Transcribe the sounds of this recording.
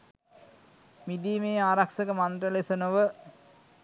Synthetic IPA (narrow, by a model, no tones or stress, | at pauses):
mid̪iːmeːaːɾakʃəkəmand̪rəlesənoʋə